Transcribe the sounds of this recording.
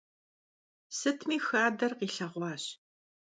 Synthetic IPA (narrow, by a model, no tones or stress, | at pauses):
sɨtʰmiːxaːdɐrqiːɬɐʁʷɑːɕ